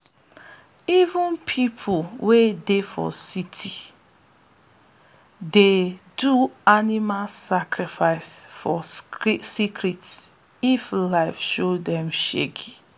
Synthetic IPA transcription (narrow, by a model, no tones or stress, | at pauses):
ivũnpʰipʰolwedefɔ̰sitʰi | deduanimalsakʰɹifaɪsfɔsikʰɹits | iflaɪfʃodɛ̃mʃḛɡi